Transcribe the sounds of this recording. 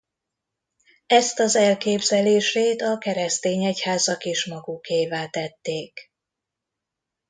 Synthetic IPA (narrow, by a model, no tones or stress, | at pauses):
ɛst̪ɒzɛlkeːbzɛleːʃeːt̪ɒkɛɾɛst̪eːɲɛchaːzɒkeːʃmɒɡukeːvaːt̪ɛt̪ːeːk